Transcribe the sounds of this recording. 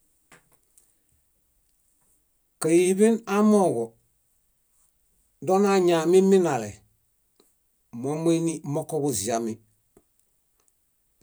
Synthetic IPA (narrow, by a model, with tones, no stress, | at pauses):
kə˨ji˨bi˦na˦mɔ˦˨ɡɔ˨ | dɔ˦na˨ɲa˨mi˦mi˦na˨lɛ̰˨ | mɔ˨˦m˦e˦ni˦mɔ˦kɔ˦bu˨zi˨a˨mi˨